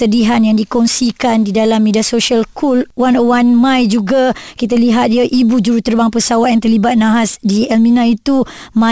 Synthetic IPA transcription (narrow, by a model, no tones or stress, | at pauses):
t̪ədiɦanjaŋdikɔnsikandidalamːediasosialkʰulwanəwanmãjd͡ʒuɡakit̪̬aliɦat̪̚iaʔibud͡ʒuɾut̪ərbaŋpəsawaʔ̪jaŋt̪ərlibat̪̚nãɦasdiɛlmĩnãit̪uma